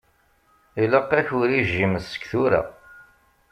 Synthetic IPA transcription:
iləqːæçʊɾiʒːiməsə̥kθuɾa̰

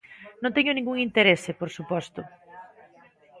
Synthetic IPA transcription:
nõnt̪eɲʊnĩŋɡuŋint̪eɾesepoɾsupɔst̪ʊ

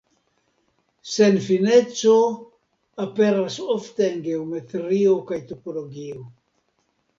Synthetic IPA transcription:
senfinet͡so | apeɾasoft̪eːnɡeomet̪eɾiokajt̪opoloɡio

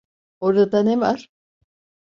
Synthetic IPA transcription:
oɾad̪anemaɾ

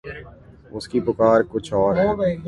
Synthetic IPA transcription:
ʊskipʊkaːɾkʊt͡ʃʰɔːɾ

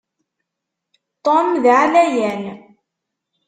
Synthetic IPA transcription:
t̪ˤomðʕalæjæn

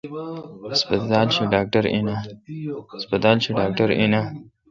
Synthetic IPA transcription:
ɪspɐt̪aːlt͡ʃʰiɖaːk̚ʈaɾḭna | spɐt̪aːlt͡ʃʰiɖaːk̚ʈaɾḭna

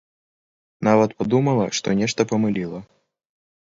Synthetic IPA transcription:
navɐt̪pad̪umɐlˠɐʂt̪ɔ̰nʲɛʂt̪ɐpɐmɨlʲilˠɐ

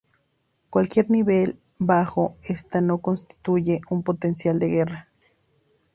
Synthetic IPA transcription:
kwalkje̞ɾniβel | baxoest̪anokonst̪i̥t̪ujeumpot̪ensjald̪eɣera

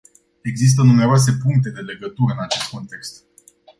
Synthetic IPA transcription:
e̞ɡzis̬t̪ənumeɾoas̬e̞puŋk̚t̪̬e̞d̪e̞le̞ɡət̪uɾəɨnat͡ʃe̞st̪̚ko̞nt̪e̞kst̪

